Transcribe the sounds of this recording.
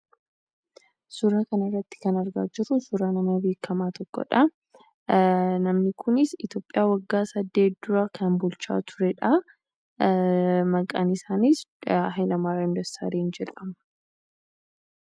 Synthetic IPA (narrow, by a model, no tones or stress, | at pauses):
sʊɾaːkɐnɐrːɐt̪ːɪ̥kɐnɐɾɡa̰ːd͡ʒɪɾʊsʊɾaːnɐmɐbeːkʰːɐmaːt̪ʰɔkːɔ̰ᶑɐ | nɐmnɪkʰʊnɪsɪt̪jo̞ːpʼːɪjaːwɐɡːaːsɐd̪ːe̞ːt̪̚d̪ʊɾakʰɐnbʊlt͡ʃa̰ːt̪ʰʊ̥ɾɛᶑɐ | mɐkʼa̰ːnɪsaːnisɦɐjlɐmaːɾɪnbɛst̪ʰɐ̰ɾiːnd͡ʒɛlɐmɐ̥